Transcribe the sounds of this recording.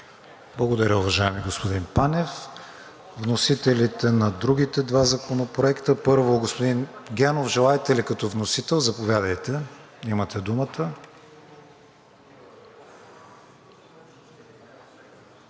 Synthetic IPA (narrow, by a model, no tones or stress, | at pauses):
blˠɐɡod̪ɐɾʲəʊvɐʒaɛmiɡospod̪inpanʲɛf | vnosit̪ɛlit̪ɛnɐd̪ɾuɡ̟it̪ɛd̪vazɐkonopɾoɛkt̪əpɤɾvoɡospod̪inɡʲɛnofʒɛlˠaɛt̪ɛlikɐt̪ɔvnosit̪ɛlˠzɐpovʲad̪ɐjt̪ɛ | imɐt̪ɛd̪umət̪ə